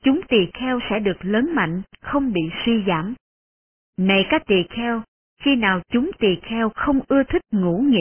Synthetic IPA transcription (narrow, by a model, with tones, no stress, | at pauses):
t͡ɕʊ˨˦ŋ͡mt̪i˨˩xɛ˧wsɛ̰˧˥ɗɨ˨˩ək̚ləː˨˦nma̰˧˨jŋ̟xə˧wŋ͡mɓḭ˧˨swi˧za̰ː˧˩m | na˨˩jkaː˦˥k̚t̪i˨˩xɛ˧w | xi˧naː˨˩wt͡ɕʊ˨˦ŋ͡mt̪i˨˩xɛ˧wxə˧wŋ͡mʔɨ˧ət̪ʰï˦˥k̚ŋṵ˧˥ŋḭ˧˨